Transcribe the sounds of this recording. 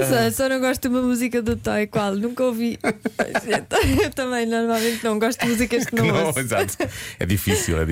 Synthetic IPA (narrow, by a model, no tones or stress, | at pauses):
sɔsɔnɐ̃w̃ɡɔʃt̪̚d̪umɐmuzikɐðut̪ɔikwalˠnũkɐovio̰et̪ewt̪ɐmɐ̃j̃nɔɾmalˠmẽnt̪nɐ̃w̃ɡɔʃt̪̚d̪muzikɐʃknɐ̃ñɐ̃w̃iza̰t̪ɛ̰ðifisḭlˠɛ̰ði